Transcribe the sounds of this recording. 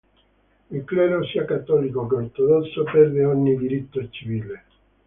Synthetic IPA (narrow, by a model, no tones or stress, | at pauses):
ilklɛɾosiakat̪ːɔlikokeoɾt̪od̪ɔsːopɛɾd̪eɔɲːid̪iɾit̪ːot͡ʃiviːle